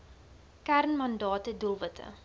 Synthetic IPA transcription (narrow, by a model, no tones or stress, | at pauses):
kærnmɐndɑːtədulˠvətʰə̰